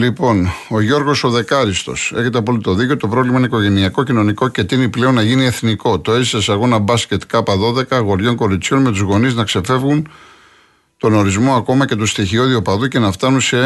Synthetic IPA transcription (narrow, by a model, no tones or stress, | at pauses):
lipo̞no̞ʝo̞ɾɣo̞so̞ðe̞kɐɾist̪o̞̰se̞̰çe̞t̪̬eɐpolit̪o̞ðiceot̪o̞pɾo̞vlimɐineiko̞ʝe̞niɐko̞cino̞niko̞ce̞t̪iniple̞o̞nːɐʝinie̞θniko̞t̪o̞e̞zisesɐɣo̞nɐbɐsce̞t̪kɐpɐðo̞ðe̞kɐɣo̞ɾʝo̞ŋko̞ɾit͡sço̞nme̞t̪uzɣo̞niznɐkse̞fe̞vɣun | t̪o̞no̞ɾizmo̞ɐko̞mɐce̞t̪ust̪içio̞ðiopɐðuce̞nɐft̪ɐnunse